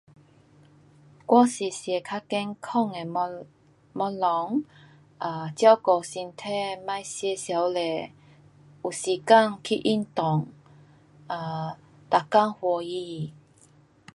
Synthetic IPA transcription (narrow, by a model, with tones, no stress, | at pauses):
kwa˦si˨˩sjɛ˨˩kʰa˦kɛ˦nkʰɔ˥˧˨ŋe˨˩ | mɔ˧˦lɔ˨˦ŋ | ʔa˨˩t͡ɕja˦wkɔ˨˩si˧nt̪ʰɛ˥˧mã˥˧˨jsjɛ˧sja˨˦wle˨˩ | u˨˩si˨˩ka˥˧˨ŋkʰi˦˧ʔi˦˧˩nt̪ɔ˨˩ŋ | a˨ | t̪a˨ka˥˦˨ŋhwɔ˧ji˧˩